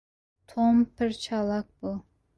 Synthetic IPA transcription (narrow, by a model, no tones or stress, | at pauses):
t̪ʰompʰɪɾt͡ʃʰɑlˠɑk̚bʊ